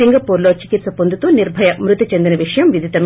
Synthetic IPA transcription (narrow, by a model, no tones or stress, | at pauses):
iŋɡɐpuːɾloːt͡ʃikit̪sɐpond̪ʱut̪uniɾbʱɐjɐmɾut̪ɐt͡ʃend̪inɐʋiʂɐjɐmʋid̪ʱit̪ɐm